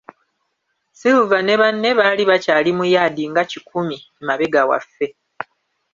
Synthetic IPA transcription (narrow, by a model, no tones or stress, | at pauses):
sivuvane̞βanːe̞βaːliβacaːlimujad̪iŋɡacikumi | maβeɡawa̰fːe̞